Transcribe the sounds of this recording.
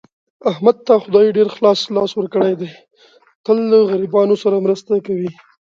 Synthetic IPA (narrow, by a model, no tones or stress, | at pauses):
ahmad̪̚t̪axʊd̪ɑjɖeɾxlɑslɑswəɾkəɽejd̪e | t̪əlːəɣaɾibɑnosaɾamɾəst̪akawi